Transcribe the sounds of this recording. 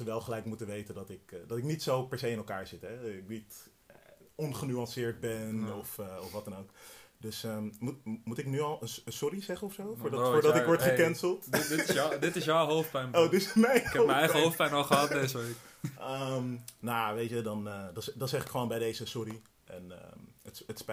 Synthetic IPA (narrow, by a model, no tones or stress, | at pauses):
əʋɛlˠχəlɛjkmutənʋejtəndɑtɪkdɑtɪknitsowpɛɹsejɪnɛlˠkaːɹz̥ɪtɦɛɪknitː | ɔnχənyɑ̃nsɪːɹd̚bɛnɔfɔfʋɑtdɑnowkdøsəmutmutɪknyɑlˠənənsɔrizɛχənɔfsowfʊːɹfʊːɹdɔtɪkʋɔɹtχəkɛnsəlˠtdɪdɪtɪsjawɦowfpɛnodɪsmɛjnkɛmɛɛjəowfpɛnɔlˠχəɦɑt̚dejzəʋekəmnojaʋejtədɑnədɑnɛdɑnsɛχɪkχəʋoːnbɛjdejzəsʊɾi | ʔɛ̰nə̰ətəts